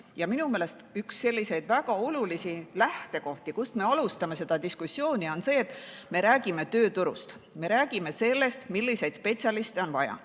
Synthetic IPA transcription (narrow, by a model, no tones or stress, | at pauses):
jɑminumeːle̞st̪yksːe̞lʲːise̞jd̪̥væɡ̥ɑo̞lulisilæht̪e̞ko̞ht̪ikust̪me̞ɑlust̪ɑme̞se̞d̪̥ɑd̪iskusːjo̞ːnʲio̞nse̞ːt̪ːˑme̞ɾæːɡ̥ime̞t̪ø̞ːt̪uɾṵst̪ | me̞ɾæːɡ̥ime̞se̞lːe̞st̪milːise̞jd̪̥spe̞t̪sʲjɑlist̪eo̞nvɑjɑ̰